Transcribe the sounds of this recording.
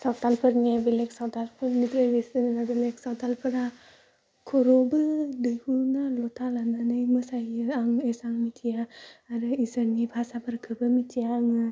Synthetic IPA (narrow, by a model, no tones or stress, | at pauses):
saw̚talpʰɯɾnebileksawtalpʰɯɾnitɾebesinnabelek̚sawtalpʰɯɾa | kʰoɾobɯdɯjhunalɔt̪ʰalananɯjmɯsajɯaŋesaŋmitʰijaːɾɯisəɾnibʱasapʰəɾkʰɯbɯmitʰijaŋɯ